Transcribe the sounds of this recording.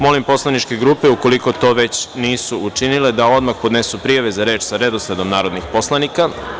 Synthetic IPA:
mo̞limpo̞slˠanit͡ʃke̞ɡɾuːpeuko̞likot̪o̞ːʋe̞t͡ɕniːsuut͡ʃinile̞d̪ao̞d̪maxpo̞d̪ne̞supɾijaʋezaɾe̞ːt͡ʃsaɾe̞d̪osled̪omnaːɾo̞d̪nixpo̞slanika

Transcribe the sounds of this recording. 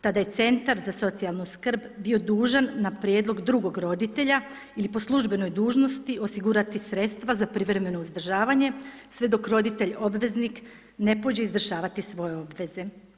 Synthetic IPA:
t̪ad̪aje̞t̪se̞nt̪aɾzaso̞t̪sijalˠnuskr̩bbio̞d̪uːʒanːapɾjeːd̪lˠo̞ɡd̪ɾuɡo̞ɡɾo̞d̪it̪e̞ʎa | ilipo̞slˠuʒbeno̞jd̪uːʒno̞st̪iʔo̞siɡuːɾat̪isɾe̞t̪st̪ʋazapɾiʋɾe̞me̞no̞uzd̪r̩ʒaːʋaɲe̞sʋe̞d̪o̞kɾo̞d̪it̪e̞ʎobʋe̞znik | ne̞po̞d͡ʑeizdr̩ʒaːʋat̪isʋo̞je̞o̞bʋe̞ze̞

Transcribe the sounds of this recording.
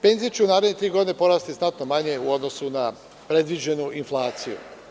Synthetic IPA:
pe̞ːnzijet͡ɕeunaːɾed̪ɲe̞t̪ɾiːɡo̞d̪ine̞po̞ɾaːst̪isnat̪no̞maɲe̞uo̞d̪no̞suna | pɾe̞d̪ʋid͡ʑe̞nuʔinflˠaːt̪sijṵ

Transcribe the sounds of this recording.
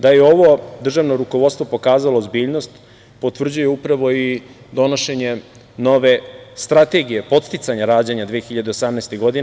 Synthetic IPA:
d̪ajeo̞ʋo̞d̪r̩ʒaːʋno̞ɾukoʋo̞t̪st̪ʋo̞po̞kaːzalo̞ːzbiːʎno̞st̪ | po̞t̪ʋr̩d͡ʑujeupɾaʋo̞i | d̪o̞noʃe̞ɲe̞ | no̞ʋe̞st̪ɾat̪e̞ɡije̞po̞t̪st̪it̪saɲaɾaːd͡ʑeɲad̪ʋijexiʎad̪eosamnaest̪eɡo̞d̪in

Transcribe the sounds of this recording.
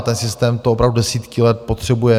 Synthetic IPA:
t̪ɛnsɪst̪ɛːmt̪oopɾavd̪udɛsiːt̪kɪlɛt̪̚po̞t̪r̝̥ɛbujɛ

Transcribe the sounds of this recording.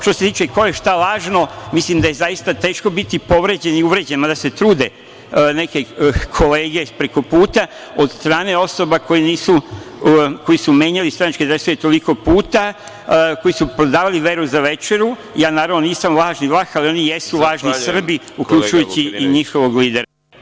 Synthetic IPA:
ʃt̪o̞se̞t̪iːt͡ʃeko̞je̞ʃt̪alaːʒno̞mislimd̪ajezajist̪at̪e̞ːʃko̞bit̪ipo̞ʋɾe̞d͡ʑeniuʋɾe̞d͡ʑenmad̪ase̞t̪ɾuːd̪e̞ | ne̞ke̞kʰo̞le̞ːɡe̞pɾeko̞puːt̪a | o̞d̪st̪ɾaːne̞o̞so̞bako̞jiniːsu | ko̞jisumjeːɲalist̪ɾanat͡ʃked̪asujet̪o̞liko̞puːt̪a | ko̞jisupɾo̞d̪aːʋaliʋe̞ɾuzaʋe̞t͡ʃe̞ɾu | jaːnaːɾaʋnoniːsamlˠaːʒnilˠaxalio̞nijesulˠaːʒnisr̩biukʎut͡ʃujut͡ɕiiɲixo̞ʋo̞ɡliːd̪e̞ɾa

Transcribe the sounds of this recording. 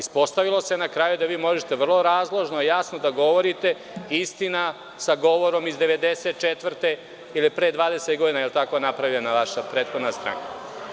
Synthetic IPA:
ispo̞st̪aʋilo̞senakɾaːjud̪aʋiːmo̞ʒet̪e̞ʋr̩lˠo̞ɾaːzlˠoʒnoijasnod̪aɡo̞ʋo̞ɾit̪e̞ | ist̪ina | saɡo̞ʋo̞ɾo̞mizd̪eʋe̞d̪eset̪̚t͡ʃet̪ʋrt̪e | ilipɾeːd̪ʋaːd̪e̞set̪ɡo̞d̪inajelt̪ako̞napɾaʋiʎenaʋaʃapɾeːt̪xo̞d̪nast̪ɾa̰ŋka

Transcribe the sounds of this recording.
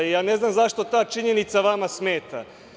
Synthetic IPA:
ijaːne̞znamzaʃt̪ot̪aːt͡ʃiɲenit̪saʋamasme̞ːt̪a̰

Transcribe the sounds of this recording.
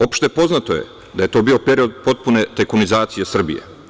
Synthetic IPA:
o̞pʃt̪epo̞znat̪oje̞̰ | d̪aje̞t̪o̞ːbiːo̞pe̞ɾio̞d̪̚po̞t̪̚punet̪ekunizaːt̪sijesr̩bḭjḛ

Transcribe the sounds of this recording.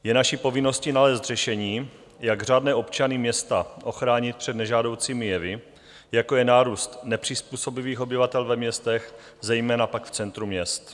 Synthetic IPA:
jɛnaʃipo̞vɪno̞scinalɛːst̪rɛʃɛɲiː | jaɡr̝aːdnɛːʔo̞pt͡ʃanɪmɲɛst̪aʔo̞xɾaːɲɪt̪̚pr̥ɛd̪nɛʒaːdo̞wt͡siːmɪjɛvɪ | jako̞jɛnaːɾuːst̪nɛpr̝̥ɪspuːso̞bɪviːxo̞bɪvat̪ɛlvɛmɲɛst̪ɛx | zɛjmɛːnapakft͡sɛnt̪ɾumɲɛst̪

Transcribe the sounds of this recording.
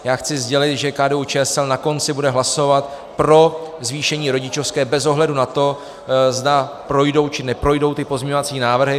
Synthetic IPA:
jaːxt͡sɪzɟɛlɪt̪ʒɛkaːdɛut͡ʃɛːɛsɛlnako̞nt͡sɪbudɛɦlaso̞vat̪ | pɾo̞zviːʃɛɲiːɾo̞ɟɪt͡ʃo̞fskɛːbɛzo̞ɦlɛdunat̪o̞ | zdapɾo̞jdo̞wt͡ʃɪnɛpɾo̞jdo̞wt̪ɪpo̞zmɲɲo̞vat͡siːnaːvr̩ɦɪ

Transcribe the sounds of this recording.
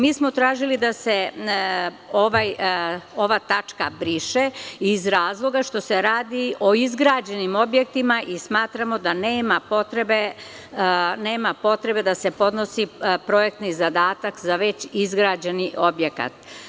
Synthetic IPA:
miːsmo̞t̪ɾaːʒilid̪ase̞ | o̞ʋajo̞ʋat̪at͡ʂkabɾiːʃeizɾaːzlˠo̞ɡaʃt̪o̞se̞ɾaːd̪iʔo̞izɡɾaːd͡ʑe̞nimo̞bje̞k̚t̪imaʔismaːt̪ɾamod̪aneːmapot̪ɾebe | neːmapo̞t̪ɾe̞be̞d̪ase̞po̞d̪no̞sipɾo̞jek̚t̪nizad̪aːt̪akzaʋe̞t͡ɕizɡɾad͡ʑeniʔo̞bje̞ka̰t̪

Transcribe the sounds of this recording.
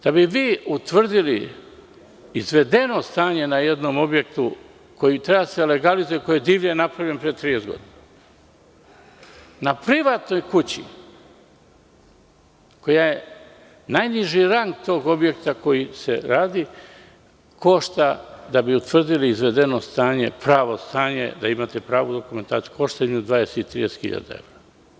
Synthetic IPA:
d̪̥abiʋiut̪ʋr̩d̪ili | izʋe̞d̪e̞no̞st̪aːɲe̞najed̪no̞mo̞bje̞kt̪u | ko̞jit̪ɾebaasele̞ɡalizujeko̞jejd̪iːʋɲenapɾavʎʲempɾiet̪ɾijezɡo̰d̪inna | napɾiʋat̪no̞jkut͡ɕḭ | ko̞jaje | najniʒiɾaŋɡt̪o̞ːɡo̞bje̞kt̪ako̞jise̞ɾaːd̪i | ko̞ʃt̪ad̪abiut̪ʋr̩d̪iliizʋe̞d̪e̞no̞st̪aːɲe̞pɾaːʋo̞st̪aːɲe̞̰d̪aimat̪epɾaːʋud̪okume̞nt̪aːt̪sijuko̞ʃt̪aimd̪ʋaːd̪eseit̪ːɾije̞set̪xḭʎa̰d̪a̰ḛʋɾa

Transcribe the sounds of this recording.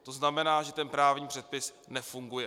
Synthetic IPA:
t̪o̞znamɛnaːʒɛt̪ɛnpɾaːvɲiːpr̝̥ɛt̪̚pɪs | nɛfuŋɡujɛ

